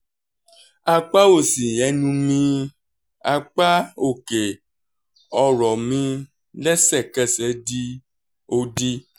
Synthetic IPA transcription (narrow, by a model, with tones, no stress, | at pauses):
a˧k͡pa˦o˦˨sĩ˨ɛ˨˧˦nũ˧mĩ˧ | a˧k͡pa˦o˦˨ke˨ | ɔ˧ɾɔ˨mĩ˧ | lɛ˦sɛ˦˨kɛ˦˨sɛ˨˦di˦ | o˧di˧